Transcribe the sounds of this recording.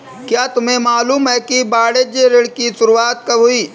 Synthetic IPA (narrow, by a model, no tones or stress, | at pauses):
kjaːt̪ʊmẽmaːluːmɦɛːkibaːɽed͡ʒeɾɪɽkisʊɾuaːt̪̚kɐʊiː